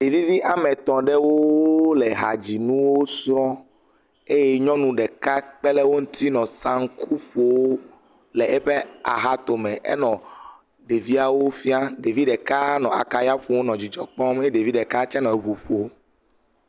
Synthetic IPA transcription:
ɖe˨vi˦vi˦ʔa˨mɛ̃˨t̪ɔ̃˨ɖɛ˦wo˦lɛ˨ɦa̰˨d͡ʑi˨nũ˦wo˦sɾɔ̃˦ | e˦jɛ˦ɲɔ̃˦nũ˨ɖɛ˨ka˦k͡pɛ˦lɛ˦wo˦ŋũ˦t̪ʰi˦nɔ̃˨sã˦ŋ˦kʰu˦ɸo˨wo˦ | lɛ˨ʔɛ˦ɸɛ˦a̰˨ɦa˦t̪o˨mɛ̃˨ʔɛ̰˦nɔ̃˨ | ɖe˨vi˦a˦wo˦fi˦a˦ɖe˨vi˦ɖɛ˨ka˦nɔ̃˨a̰˨ka˨ja˦ɸu˨wo˦nɔ̃˨d͡ʑi˨d͡ʒɔ˦k͡pɔ̃˦me˦ɖe˨vi˦ɖɛ˨ka˦t͡ʃɛ̃˦nɔ̃˨e˨βu˨ɸo˨˦

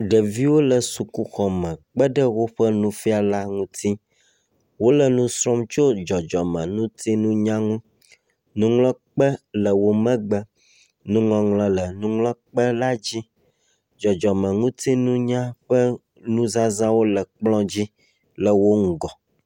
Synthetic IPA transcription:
ɖə˨vi˦wo˦lə˨su˨ku˦xɔ˨mɛ̃˨k͡pə˦ɖə˦wo˦ɸə˦nũ˦fi˦a˨la˦ŋũ˦t̪ʰi˦ | wo˦lə˨nũ˦sɾɔ˦mt͡ʃo˦d͡ʒɔ˨d͡ʒɔ˨mɛ̃˨nũ˦t̪i˦nũ˦ɲã˦ŋũ˦ | nũ˦ŋlɔ̃˦k͡pə˦lə˨wo˦mɛ̃˦ɡ͡bə˦ | nũ˦ŋɔ̃˨ŋlɛ̃˨lə˨nũ˦ŋlɔ̃˦k͡pə˦la˦d͡ʑi˦ | d͡ʒɔ˨d͡ʒɔ˨mə̃˨ŋũ˦t̪i˦nũ˦ɲã˦ɸə˦ | nũ˦zã˦zã˦wo˦lə˨k͡plɔ̃˦d͡ʑi˦ | lə˨wo˦ŋ̩˨ɡɔ˨

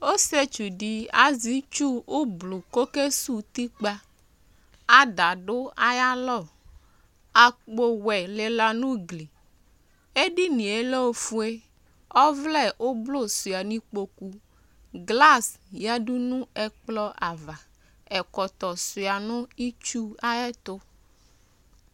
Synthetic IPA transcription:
o˦se˦t͡ʃu˨ɖi˨a˨zi˨˦t͡ʃu˦o˦blo˨ko˦ke˦su˦t̪i˦k͡pa˦ | a˨da˨ɖʊ˦a˦ja˦lɔ˦˨ | a˨k͡po˦˨wɛ˨le˨la˨nũ˦ɡli˨ | e˦ɖi˦nĩ˨e˨le˦o˦fu˦e˦ | ɔ˦vlɛ˦˨ʔo˦blo˦˨sʊ˨a˨nĩ˦k͡po˨ku˨ | ɡla˦sja˦ɖu˦nũ˦ɛ˦k͡plɔ˦ʔa˨va˨ | ɛ˨kɔ˨t̪ɔ˨sʊ˨a˨nʊ̃˦i˦t͡ʃu˦a˦ɛ˦t̪ʊ˦

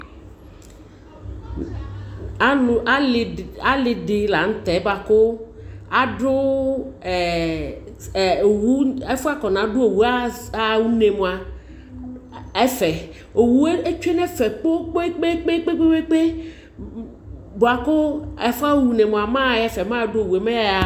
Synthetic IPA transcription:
a˦˨a˦la˦lɪ˨ɖɪ˨la˨ŋ̩˦t̪ɛ˨˦ba˨kʊ˦a˨ɖʊ˦˨ | wu˦e˦fu˦a˦kɔ˨nã˨˦ɖo˦o˨wu˦a˦a˨wu˦ne˨mõ˨a˨ | ɛ˦fɛ˨ | o˨wu˨e˦e˦t͡ʃe˦nɛ˦fɛ˨k͡po˦k͡po˦k͡pe˦k͡pe˦k͡pe˦k͡pe˦we˦k͡pe˦ | bo˨a˨kʊ˦ɛ˨fa˦wu˦ne˨mõ˨a˨mã˦ɛ˦fɛ˨mã˦˨˦ɖʊ˦o˨wu˨e˨mẽ˦a˨

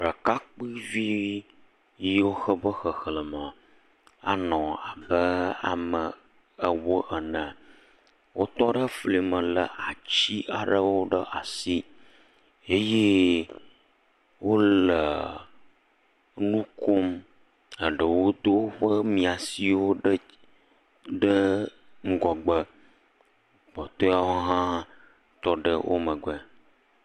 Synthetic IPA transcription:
ɖə˨ka˦k͡pɨ˦vi˦ | ji˦wo˦xə˦bə˦xə˨xlə˨mə˨ | a̰˨nɔ̃˨a˨bə˦a̰˨mə˨ | ə˨wə˦ʔə˨nə̃˨ | wʔo˦t̪ɔ˦ɖə˦fli˨mə̃˨lə̰˨ʔa˨t͡ɕi˦ʔa˨ɖə˦wo˦ɖə˦ʔa˨si˦ | e˦je˦ | wo˦lə˨ | nũ˦ko˦m | ə˨ɖə˨wo˦d̪o˦wɸə˦mĩ˨a˨si˦wo˦ɖə˦ | ɖə˦ | ŋ̩˦ɡɔ˨ɡ͡bə˦ | k͡pɔ˨t̪o˦a˦wo˦ɦã˦ | t̪ɔ˦ɖə˦wʔo̰˦mə̃˨ɡɛ˦

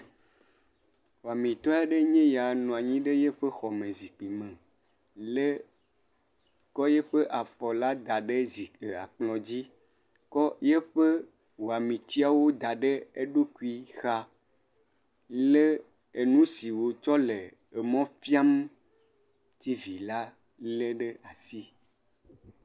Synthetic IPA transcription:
wo˨a˨mĩ˨t̪ɔ˦a˦ɖe˦ɲɛ̃˦ja˨nɔ̃˨a˨ɲĩ˦ɖe˦je˦ɸe˦xɔ˨mẽ˨zi˨k͡pi˨mẽ˨ | le˦ | kɔ˦je˦ɸe˦ʔa˨fɔ˨la˦d̪a˨ɖe˦zi˨e˨a̰˨k͡plɔ̃˨d͡ʑi˦ | kɔ˦je˦ɸe˦ | wo˨a˨mĩ˨t̪i˦a˨wo˦d̪a˨ɖe˦e˦ɖo˦ku˦i˦xa˦ | le˦ | e˨nũ˦si˨wo˨t͡ʃɔ˦le˨ | e˨mɔ̃˦fi˦a˦m | t̪i˦vi˨la˦ | le˦ɖe˦a˨si˦

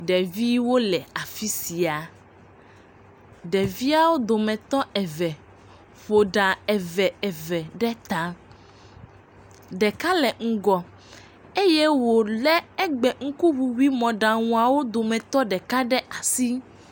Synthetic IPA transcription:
ɖɛ˨vi˦wo˦lɛ˨a˨fi˦si˨a˨ | ɖɛ˨vi˦a˦wo˦d̪o˨mɛ̃˨t̪ɔ˦ɛ˨vɛ˨ | fo˨ɖa˨ɛ˨vɛ˨ɛ˨vɛ˨ɖɛ˦t̪a˦ | ɖɛ˨ka˦lɛ˨ŋ̩˨ɡɔ˨ | e˦je˦wo˨lɛ˦ɛ˦ɡ͡bɛ˨ŋ̩˦ku˦wu˨wi˦mɔ̃˨ɖa˨ŋũ˨a˨wo˦d̪o˨mɛ̃˨t̪ɔ˦ɖɛ˨ka˦ɖɛ˦ʔa˨si˦

